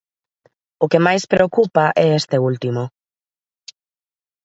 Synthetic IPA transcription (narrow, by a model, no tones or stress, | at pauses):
ʊkemajspɾeokupaʔɛest̪eult̪imo